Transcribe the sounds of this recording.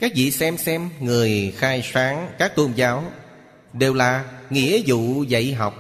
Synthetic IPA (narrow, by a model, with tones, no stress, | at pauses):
kaː˦˥k̚vḭ˧˨sɛ˧msɛ˧mŋɨ˨˩əjxaː˧jsaː˨˦ŋkaː˦˥k̚t̪o˧mzaː˨˦w | ɗe˨˩wlaː˨˩ŋḭ˧˥əzṵ˧˨zə̰˧˨jɦa˨˩wk͡p̚